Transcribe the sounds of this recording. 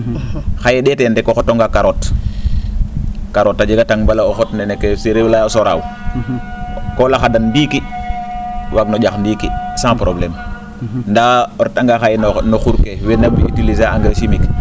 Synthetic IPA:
xajeɗɛtendɛkːoxotoŋɡakaɾot | kaɾotːad͡ʒeɡataŋbalaoxotnɛnekːeseɾewlaosɔɾa̰w | kolaxadanndiːki | waɡnɔɟaxndikisãpɾoblɛm | ndaɔɾtaŋɡaxajnoxuɾkewenabiitilizaaŋɡɾasimik

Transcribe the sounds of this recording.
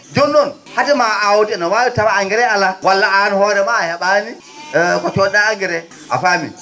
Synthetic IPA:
d͡ʒɔnːɔn | hatimaawtɛnawajɔtamaaŋɡɛɾɛalːawalːaʔanihɔːɾɛmahɛɓani | kɔt͡ʃɔɗaaɡɛɾɛ | ʔa̰famḭ

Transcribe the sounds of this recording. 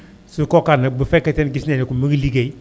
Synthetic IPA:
sukɔkanabəfɛketɛnɡisnenikumiɡliɡei

